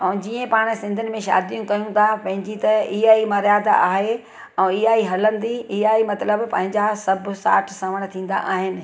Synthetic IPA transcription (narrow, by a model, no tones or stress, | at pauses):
ɛ̃ːd͡ʑiːə̃paːɽ̃̆sɪ̃nd̪ʱʊnɪ̆mẽʃa̰ːd̪ijũkɐjũt̪ʰapɐ̃ɦɪ̃ɲd͡ʑit̪ɐiɦaːimɐɾjaːd̪a̰aːɦe | ɛ̃ːɪɦaːiɦɐlə̃nd̪iɪɦaːimɐt̪ləbpɐ̃ɦɪ̃ɲd͡ʑasɐbʱʊ̆sa̰ːʈʰsɐʋəɽ̃t̪ʰĩːn̆d̪a̰ʔaːɦɪnɪ̆